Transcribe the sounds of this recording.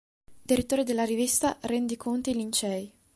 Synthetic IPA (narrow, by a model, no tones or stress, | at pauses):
d̪̥iɾit̪ːoːɾed̪elːaɾivist̪aɾɛnd̪ikʰont̪eilint͡ʃɛj